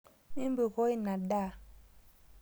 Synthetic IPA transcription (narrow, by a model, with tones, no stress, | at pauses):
mi˦m˦bə˨ɣɔ˦i˦na˨daː˦˨